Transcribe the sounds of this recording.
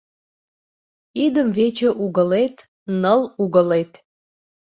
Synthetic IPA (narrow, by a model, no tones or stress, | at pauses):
id̪əmvet͡ɕə̆ʔuɣəlet̪ | nəluɣəlet̪